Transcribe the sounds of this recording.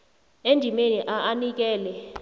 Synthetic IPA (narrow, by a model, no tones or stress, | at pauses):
endʱimeniʔaʔanik̬ɛːlɛ